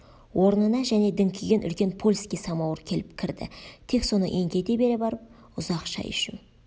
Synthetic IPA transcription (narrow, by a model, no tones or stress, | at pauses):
wʔo̞ɾnənɑʒæne̞d̪ɪŋkʲʰiɡʲenʔʏ̰lkʲe̞npʰo̞lʲskʲijsɑmɑwəɾkʲʰe̞lɪp̚kʲʰɪɾd̪ɪ̰t̪ʰe̞kso̞nə̰ʔe̞ŋɡʲe̞d̪ebe̞ɾebɑɾəp̚ | ʊzɑqʃɑ̰jʏ̰ʃɪ̰n